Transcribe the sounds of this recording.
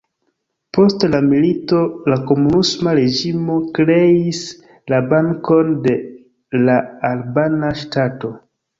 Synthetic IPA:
po̞stlamilitolako̞munusmaɾe̞d͡ʒimo̞kɾe̞is | labaŋko̞nde̞ | laalbanaʃtato̞

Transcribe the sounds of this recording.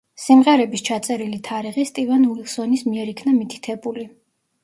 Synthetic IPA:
simʁɛɾɛbist͡ʃʰat̪sʼɛɾilit̪ʰaɾiʁist̪ʼivanuilˠsɔnismiɛɾikʰnamit̪ʰi̥t̪ʰɛbuli

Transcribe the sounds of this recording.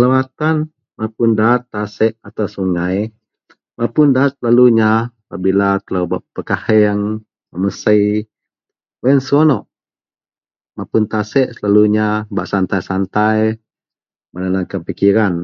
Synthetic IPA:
lawat̪an | mapʊndat̪ːasɛʔat̪awsuŋaj | mapʊndaːt̪̚slaluɲapaʔbilat̪əlawba̰ʔpəkahɛaŋ | məməsəj | wɛnsɔnɔʔ | mapʊnt̪asɛʔsəlaluɲabaʔsant̪ajsant̪aj | mananakənpikiɾan

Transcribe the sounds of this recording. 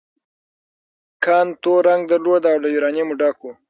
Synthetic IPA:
kʰɑnt̪oɾaŋɡ̚d̪əɾlod̪aaːwlajuɾɑnimuɖɑku

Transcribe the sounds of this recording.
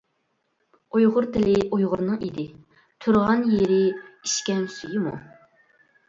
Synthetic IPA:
ojʁʊɾt̪ɪlɪʔojʁʊɾnɨŋid̪ɪ | t̪ʰuɾʁɑnjeɾɪiʃkʲɛmsyjɪmṵ

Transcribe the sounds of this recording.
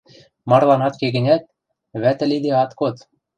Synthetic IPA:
mɑrlˠɑnɑt̪keɡɘ̆nʲæt̪̚ | βæt̪ɘ̆lid̪eɑt̪kot̪

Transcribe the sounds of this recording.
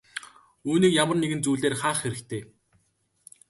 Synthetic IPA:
uːniːkjamə̆rneɣɘ̆nt͡suːɮeːrχaːχxeɾɘ̆kt̪ʰeː

